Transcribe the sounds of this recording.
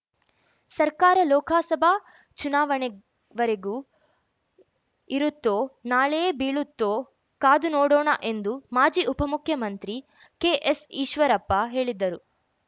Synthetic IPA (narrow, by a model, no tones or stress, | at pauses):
sɐɾkaːɾɐlɔːkʰaːsɐbʱa | t͡ʃunaːʋɐɳɛ | ʋɐɾeɡuː | iɾut̪ːoːnaːɭejebiːɭut̪ːoː | kaːd̪unoːɽɔːɳɐ̰ʔe̞nd̪umaːd͡ʒiːʔupɐmukʰjɐmɐnt̪ɾi | keːʔesiːʃʋɐɾɐpːɐɦe̞ːɭid̪ːɐɾu